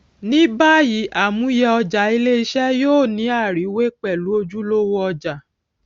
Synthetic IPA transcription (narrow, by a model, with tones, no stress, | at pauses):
nĩ˦ba˦ji˨˦ʔa˨mũ˨˦i˦jɛ˧ɔ˧d͡ʒa˨i˧le˦i˦˧ʃɛ˦joː˦˨nĩ˨˦a˦˨ɾi˨˦we˦k͡pɛ˦˨lu˨˦o˧d͡ʒu˦lo˦wo˦ɔ˧d͡ʒa˨